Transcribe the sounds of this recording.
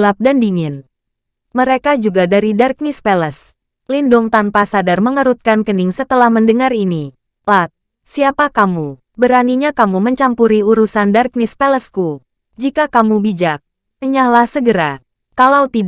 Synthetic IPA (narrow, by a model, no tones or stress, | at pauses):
lap̚dandiŋɪn | məɾekad͡ʒuɡadaɾidark̚nispeləs | lindʊŋt̪anpasadarməŋəɾut̪̚kankəniŋsət̪əlahməndəŋaɾini | lat̪̚ | siapakamu | bəɾaniɲakamuməɲt͡ʃampuɾiuɾusandark̚nispɛləsku | d͡ʒikakamubid͡ʒak̚ | əɲahlahsəɡəɾa | kalawt̪id